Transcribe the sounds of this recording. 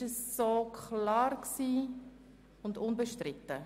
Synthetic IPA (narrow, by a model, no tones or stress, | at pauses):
əsːokʰlɑːɾksiː | ʊndʊnbəʃtɾɪt̪ə